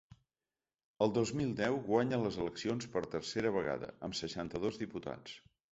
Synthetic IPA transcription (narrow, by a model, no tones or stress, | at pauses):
əlˠd̪ozmilˠd̪ɛwɣwaɲələzələksionspəɾt̪ərseɾəβəɣa̰ðə̰əmsəʃant̪əðozðiput̪a̰t͡s